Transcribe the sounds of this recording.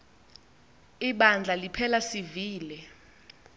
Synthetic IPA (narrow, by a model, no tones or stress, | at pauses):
iɓand͡ɮʱalipʰɛlasiviːlɛ